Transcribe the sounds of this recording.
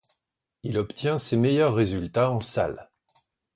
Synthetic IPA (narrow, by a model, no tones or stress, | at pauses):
ilɔpt̪jɛ̃semejœʁːezylt̪aɑ̃sa̰l